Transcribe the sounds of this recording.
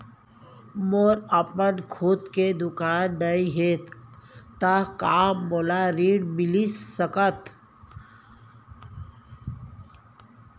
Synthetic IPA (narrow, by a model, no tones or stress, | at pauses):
moɾəpənkʰut̪ked̪ʊkaːnːəĩɦet̪t̪akaːmːoːlaɾiːɽmɪlisəkət̪